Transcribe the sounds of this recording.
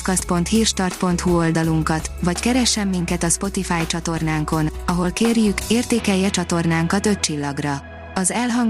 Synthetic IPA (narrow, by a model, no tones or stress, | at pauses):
kɒst̪̚po̞nt̪hiːrʃt̪ɒrt̪̚po̞nt̪huo̞ld̪ɒluŋkɒt̪ʋɒckɛɾɛʃːɛmːiŋkɛt̪ɒspo̞t̪ifaːjt͡ʃɒt̪o̞rnaːŋko̞nɒɦo̞lkeːrjykeːrt̪eːkɛjːɛt͡ʃɒt̪o̞rnaːŋkɒt̪ø̞t̪̚t͡ʃilːɒɡrɒ | ɒzɛlɦɒŋ